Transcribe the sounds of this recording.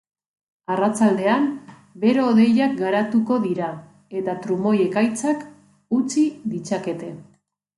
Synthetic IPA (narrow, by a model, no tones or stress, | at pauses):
arat͡sald̪e̞am | be̞ɾo̞ːðe̞jak̚ɡaɾat̪uko̞ðiɾa | e̞t̪at̪ɾumo̞je̞kajt͡sak | ut͡siðit͡sake̞t̪e̞